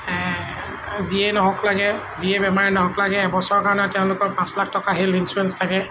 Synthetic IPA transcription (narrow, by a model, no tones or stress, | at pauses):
ziɛnɔɦɔklaɡɛ | ziɛbɛmaɹɛnɔɦɔklaɡɛːbɔsɔɹkaɹɔnɛtɛʊ̃lʊkɔɹpãslak̚tɔkaɦilinsuɹɛnstʰakɛ